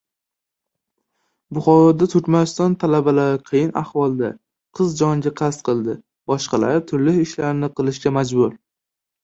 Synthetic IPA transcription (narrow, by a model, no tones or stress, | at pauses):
bʊχɒɾɒd̪at̪ʰʊɾkʲmanɪst̪ɒnt̪ʰalabalaɾɪqʰɨjɪnahvɒlˠd̪a̰ | qʰɨzd͡ʒɒŋɡʲaqʰɑst̪̚qʰɨlˠd̪ɪ | b̥ɒʃqɑlaɾt̪ʰʊɾlɪhɪʃlaɾɪnɪqɨlˠɪʃɡʲamad͡ʒbʊɾ